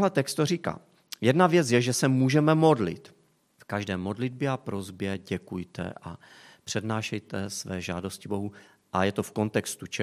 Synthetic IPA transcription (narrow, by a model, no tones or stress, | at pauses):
ɦlɛt̪ɛkst̪oriːka̰ː | jɛdnavjɛt͡sjɛʒɛsɛmuːʒɛmɛmo̞dlɪ̰t̪ | fkaʒdɛːmo̞dlɪd̚bjɛapɾo̞zbjɛɟɛkujt̪ɛ̰ʔa | pr̝̥ɛdnaːʃɛjt̪ɛsvɛːʒa̰ːdo̞scɪbo̞ɦu | ʔajɛt̪o̞fko̞nt̪ɛkst̪ut͡ʃɛ